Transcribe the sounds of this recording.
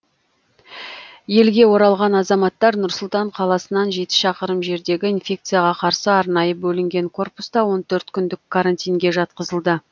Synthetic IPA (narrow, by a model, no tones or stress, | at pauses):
je̞lɡʲe̞wo̞ɾɑlˠʁɑnɑzɑmɑt̪ːɑɾnʊɾsʊlˠt̪ɑɴqʰɑlˠɑsənɑnʒe̞t̪ɪ̥ʃɑqəɾəmʒe̞ɾd̪e̞ɡʲɪinfʲe̞k̚t̪sɨjɑʁɑqʰɑɾsəɑɾnɑjəbɵlɪŋɡʲe̞ŋkʰo̞rpust̪ɑwo̞nt̪ʰɵɾt̪kʲʰʏnd̪ɪkkʰːaɾanʲt̪ʲijŋɡʲe̞ʒɑt̪̚qəzəlˠd̪ə